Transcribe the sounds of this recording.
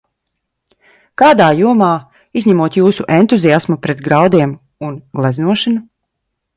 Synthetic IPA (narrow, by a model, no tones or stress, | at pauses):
kaːd̪aːjuɔmaː | izʲɲʲæmuɔt̪juːsuʔɛnt̪uziasmupɾɛt̪ɡɾawd̪iɛm | unɡlˠɛznuɔʃɨnu